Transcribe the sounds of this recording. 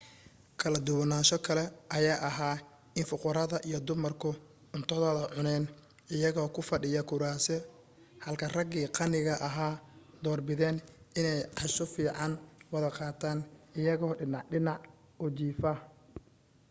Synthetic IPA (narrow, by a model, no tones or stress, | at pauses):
kʰɐlɐd̪ʊwɐnaːʃɔkʰɐlɛʔɐjaːʔɐɦaː | ɪnfʊqʊɾɐðɐʔijɔd̪ʊmɐrkʰʊ | ʊnt̪ʰɔðɔːðɐʕʊnɛːn | ɪjɐɣɔːkʰʊfɐɖɪjɐkʰʊɾaːsɛ | hɐlkʰɐrɐɡiːqɑnɪɣɐʔɐɦaːd̪̥ɔːrbɪðɛːnɪnɛjʕɛsʊfiːʕɑnwɐðɐqɑːt̪ʰaːnɪjɐɣɔːɖɪnɑʕɖɪnɑʕ | ʊt͡ʃiːfɐ